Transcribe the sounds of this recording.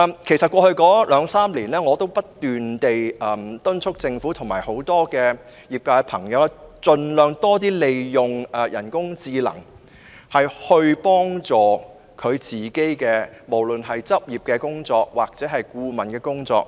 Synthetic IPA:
mkʰe˨˩jsɐ˨t̚kwɔː˧hɵ˧ɥkɔː˨˥lœː˨˧˥ŋsaː˥mliː˨˩nlɛː˥ŋɔː˨˧t̪o˥wpɐ˥tt̪ːyː˨nt̪e˨jɐː˨˩mt̪ɵ˥nt͡ʃʰʊ˥k̚t͡sɪ˧ŋfuː˨˥t̪ʰʊ˨˩ŋmaː˨˩jho˨˥wt̪ɔː˥kɛː˧ | jiː˨˩p̚kaː˧ɛ˧pʰɐ˨˩ŋjɐ˨˧wlɛ˥t͡sɵ˨˧nlœː˨ŋt̪ɔː˥t̪̬iː˥le˨˧jjʊ˨˩ŋɛ˨jʔɐ˨˩nkʊ˥ŋt͡siː˧lɐ̰˨˩ŋ | hɐ˨jhɵ˧ɥpɔː˥ŋt͡sɔː˨ | kʰɵ˨˧ɥt͡siː˨˩ke˥jkɛː˧mo˨˩wlɵ˨nɦɐ˨jt͡sɐ˥p̚jiː˨p̚kɛ˧kʊ˥ŋt͡sɔː˧k̚waː˨k̚t͡sɛː˨˥ɦɐ˨jkuː˧mɐ˨˩nkɛː˧kʊ˥ŋt͡sɔ̰ː˧k̚

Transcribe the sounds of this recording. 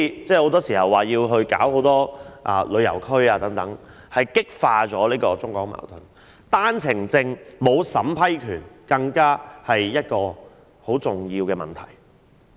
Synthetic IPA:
i˨t͡sɛː˥˩ho˨˥wt̪̬ɔː˥siː˨˩hɐ˨wːaː˨˩jiː˧wɦɵ˧ɥkaː˨˥who˨˥wt̪ɔː˥ʔa̰ː˨lɵ˨˧ɥjɐ˨˩wkʰɵ˥ɥaː˧t̪ɐ˨˥ŋt̪ɐ˨˥ŋ | hɐ˨jkɪ˥k̚faː˧t͡sɔː˨˥liː˥kɔː˧t͡sʊ˥ŋkɔː˨˥k̚ma̰ː˨˩wt̪ʰʊ˨˩n | t̪aː˥nt͡sʰɪ˨˩ŋt͡sɪ˧ŋmo˨˧wsɐ˨˥mpʰɐ˥jkʰyː˨˩nkɐ˧ŋkaː˥hɐ˨jːɐ˥t̚kɔː˧ | ho˨˥wt͡sʊ˨ŋjiː˧wkɛː˧mɐ̰˨nt̪ʰɐ̰˨˩j

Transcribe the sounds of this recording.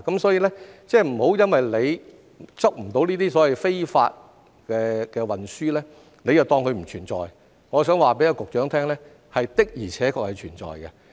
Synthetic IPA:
kɐ˨˥msɔː˨˥jiː˧lɛː˥t͡sɛː˥˩m̩˨˩ho˨˥wjɐ˥nwɐ˨jle˨˧j | t͡sɐ˥k̚m̩˨˩t̪o˨˥wniː˥t̪iː˥sɔː˨˥wɐ˨jfe˥jfa̰ː˧t̚ | kɛː˧kɛː˧wɐ˨nsyː˥lɛː˥ | ne˨˧jt͡sɐ˨wt̪ɔː˧ŋkʰɵ˧m̩˨˩t͡ʃʰyː˨˩nt͡sɔ̰ː˨j | ŋɔː˨˧sœː˨˥ŋwaː˨pe˨˥jkʊ˨k̚t͡ʃœː˨˥ŋt̪ʰɛː˥ŋlɛː˥ | hɐ˨jt̪ɪ˥k̚jiː˨˩t͡ɕʰɛː˨˦˥kʰɔː˧k̚hɐ˨jt͡ʃʰyː˨˩nɔ̰ː˨jɡɐ˧

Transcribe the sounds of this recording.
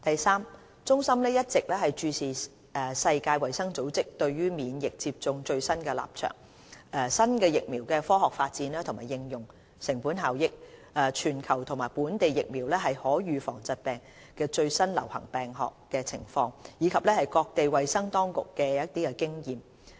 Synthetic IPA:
t̪ɐ˨jsaː˥m | t͡sʊ˥ŋsɐ˥mlɛː˥jɐ˥t̚t͡sɪ˨k̚lɛː˥hɐ˨jt͡ʃyː˧sʰiː˨˩ | ɛ˨sɐ˧jkaː˧jwɐ˨jsɐ˥ŋt͡so˨˥wt͡sɪ˥k̚t̪ɵ˧ɥɥyː˥miː˨˧njɪ˨k̚t͡siː˧p̚t͡sʊ˧ŋt͡ʃɵ˧ɥsɐ˥nkɛː˧la̰ː˨p̚t͡ʃʰœ̰ː˨˩ŋ | ʔɛ˧sɐ˥nkɛː˧jɪ˨k̚miː˨˩wkɛː˧fɔː˥ɦɔː˨k̚faː˧t̚t͡siː˨˥nlaː˥t̪ʰʊ˨˩ŋmaː˨˩jɪ˧ŋjʊ˨˩ŋ | sɪ˨˩ŋpuː˨˥nɦaː˨wjɪ˨k̚ʔɛ˨˧t͡ʃʰyː˨˩nkʰɐ˨˩wt̪ʰʊ˨˩ŋmaː˨˩jpuː˨˥nt̪e˨jɪ˨k̚miː˨˩wlɛː˥ɦɐ˨jhɔː˨˥ɥyː˨˧fɔ̰ː˨˩ŋt͡sɐ˨˧t̚pɛː˨˩ŋ | kɛː˧t͡ʃɵ˧ɥsɐ˥nlɐ̰˨˩whɐ˨˩ŋpɛː˨ŋɦɔː˨kːɛː˧t͡sʰɪ˨˩ŋfɔː˧ŋjiː˨˧kʰɐ˨p̚lɛː˥hɐ˨jkɔː˧k̚t̪e˨jwɐ˨jsɐ˥ŋt̪ɔː˥ŋkʊ̰˨kːɛː˧jɐ˥t̚t̪iː˥kɛ˧kɪ˥ŋjiː˨m

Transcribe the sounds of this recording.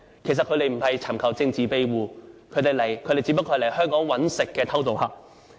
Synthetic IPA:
kʰe˨˩jsɐ˨t̚kʰɵ˨˧˥ɾe˨jm̩˨˩hɐ˨jt͡sʰɐ˨˩mkʰɐ˨˩wt͡sɪ˧ŋt͡siː˨pe˧jwuː˨˧kʰɵ˨˧ɥt̪e˨˩lɐ˨˩jkʰɵ˨˧t̪e˨jt͡si˧˥pɐ˥kʰːɔː˧˥˨le˨˩hœː˥ŋkɔː˨˥ŋwɐ˨˥nsɪ˨kːɛː˧t̪ʰɐ˥wt̪̬o˨whaː˨

